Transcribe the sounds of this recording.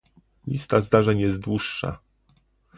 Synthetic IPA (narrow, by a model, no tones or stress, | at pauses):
lʲḭst̪azd̪aʐɛɲjɛzt̪̚d̪wuʂːa̰